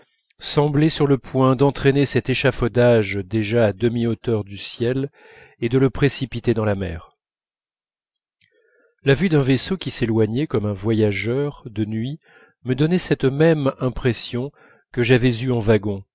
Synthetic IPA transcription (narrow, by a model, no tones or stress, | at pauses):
sɑ̃blɛsyʁləpwɛ̃d̪ɑ̃t̪χenesɛt̪eʃafod̪aʒd̪eʒaːd̪əmiot̪œʁd̪ysjɛl | ed̪ələpχesipit̪ed̪ɑ̃lamɛ̰ʁ | lavyd̪ɛ̃vesokʲiselwaɲɛkɔmɛ̃vwajaʒœʁd̪ənɥi | məd̪ɔnɛsɛt̪mɛmɛ̃pχesjɔ̃ | kəʒavɛzyɑ̃vaɡɔ̃